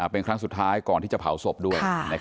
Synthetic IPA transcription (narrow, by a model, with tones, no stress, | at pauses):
ʔaː˨˩pe˧nkʰɾa˦˥ŋsu˨˩t̪ʰːaː˦˥jkɔː˨˩nt̪ʰiː˥˩t͡ɕa˨˩pʰa˩˦wso˨˩p̚du˥˩əjna˦˥k